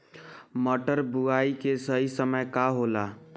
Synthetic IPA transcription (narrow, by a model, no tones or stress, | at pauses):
məʈəɾbuaikesəɦisəməjkaɦola